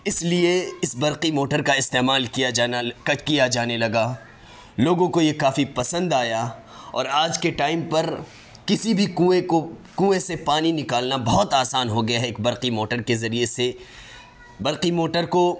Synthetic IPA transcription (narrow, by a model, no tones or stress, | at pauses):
ɪslieɪsbɐɾqimoːʈəɾkaɪst̪eːmaːlkijakɐkijad͡ʒaːnelɐɡaː | loːɡõkojekaːfipɐsə̃nd̪aːja | ɔ̰ːɾaːd͡ʒkeʈaːɪmpɐɾ | kɪsibʱikuekokũːesepaːninɪkaːlnabɐɦʊt̪aːsaːnɦoɡɐjaɦɛeːk̚bɐɾqimoːʈəɾkezɐɾiese | bɐɾqimoːʈəɾko